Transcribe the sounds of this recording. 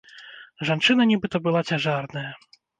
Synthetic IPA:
ʐant͡ʂɨnɐnʲibɨt̪ɐbɨlˠat͡sʲaʐarnɐjɐ

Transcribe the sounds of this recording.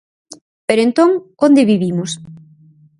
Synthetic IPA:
peɾoent̪oŋond̪ɪβiβimʊs

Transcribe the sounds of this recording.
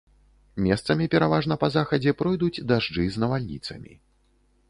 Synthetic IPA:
mʲɛst̪sɐmʲipʲɛɾavaʐnɐpɐzaxɐd͡zʲɛpɾɔjd̪ud͡zʲd̪aʐd͡ʐɨznɐvalʲnʲḭt̪sɐmʲḭ

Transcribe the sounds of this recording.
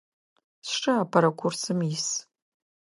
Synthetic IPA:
sʂaapʰaɾakʷʰʊrsɨmis

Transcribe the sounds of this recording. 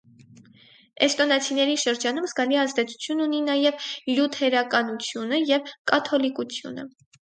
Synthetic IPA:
ɛst̪ɔnɑt͡sʰinɛɾiʃəɾd͡ʒɑn̪umzɡɑliɑzd̪ɛt͡sʰu̥t͡sʰjununinɑjɛvljut̪ʰɛɾɑkɑnut͡sʰjunəjɛvkɑt̪ʰɔlikut͡sʰjṵnə̰

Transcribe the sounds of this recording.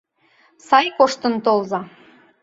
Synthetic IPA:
sɑjkoʃt̪ə̆nt̪olzɑ

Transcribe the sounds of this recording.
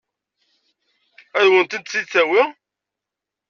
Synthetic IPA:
æðwənt̪id̪̚t͡sːit͡sːæwiʁ

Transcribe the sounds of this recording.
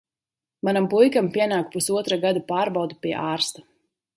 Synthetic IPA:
manampujkampiɛnaːk̚pusuɔt̪ɾaɡad̪apaːɾbawd̪upʲiɛʔaːɾst̪ḁ

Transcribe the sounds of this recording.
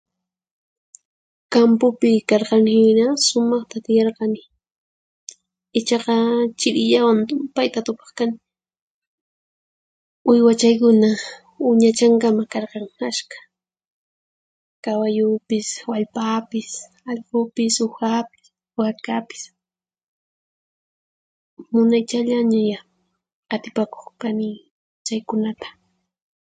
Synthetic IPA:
kampʊpɪkɑɾqɑnhɪnasʊmɑχt̪at̪ɪjɑɾqɑnɪ | ɪt͡ʃɑqɑt͡ʃɪɾɪʎawant̪ʊmpajt̪at̪ʊpɑ̥χkanɪ | ʊjwat͡ʃajkʊna | ʊɲat͡ʃaŋkamakɑɾqɑŋaskḁ | kawajʊpɪswaʎpapɪs | ɑʎqʊpɪsʊxapɪ̥s | aɾkapɪ̥s | mʊnajt͡ʃaʎaɲaja | at̪ɪ̥pako̥χkanɪ | t͡ʃajkʊnat̪ḁ

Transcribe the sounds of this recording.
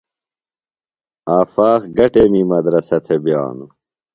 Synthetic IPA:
aːfaːxɡɐʈemimɐd̪ɾɐsɐt̪ʰebja̰ːnu

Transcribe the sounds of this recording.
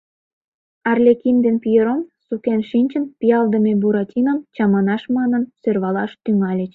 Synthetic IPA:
ɑrlʲekind̪enpijəɾomsukenʃinʲt͡ɕənpijɑld̪ə̆mebuɾɑtʲinəmt͡ɕɑmɑnɑʃmɑnə̆nsørβɑlɑʃt̪yŋɑlʲet͡ɕ

